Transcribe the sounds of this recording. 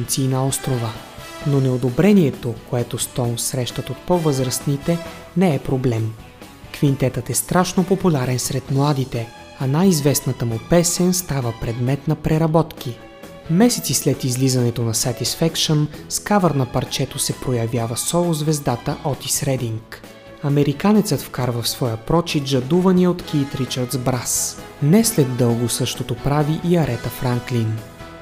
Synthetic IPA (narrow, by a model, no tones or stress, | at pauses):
nt̪siːnɐɔst̪ɾovə | nonɛod̪obɾɛniɛt̪okoɛt̪ost̪ɔnsɾɛʃt̪ət̪ot̪̚povɤzɾəst̪nit̪ɛ | nɛɛpɾoblɛm | kvint̪ɛt̪ət̪ɛst̪ɾaʃnopopulʲaɾɛnsɾɛt̪mlˠad̪it̪ɛ | ɐnajizvɛsnət̪əmopɛsɛnst̪avəpɾɛd̪mɛt̪nɐpɾɛɾɐbɔt̪k̟i | mɛsɛt̪sislɛt̪izlizɐnɛt̪onɐsɐt̪isfɛkʃonskavəɾnɐpɐɾt͡ʃɛt̪osɛpɾojɐvʲjavəsɔlˠʊzvɛzd̪at̪əʔɔt̪isɾɛd̪iŋk | ɐmɛɾikanɛt̪sət̪fkaɾvəfsvɔjəpɾɔt͡ʃid̪d͡ʒɐd̪uvɐniɛot̪kiːt̪ɾit͡ʃəɾt̪zbɾas | nɛslɛd̪ːɤlˠɡʊsɤʃt̪ot̪opɾaviʔiɐɾʔɛt̪əfɾaŋklin